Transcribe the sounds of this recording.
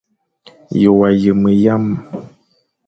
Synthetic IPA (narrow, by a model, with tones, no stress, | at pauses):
jo˨wa˨jə˨mə˨ja˦m˨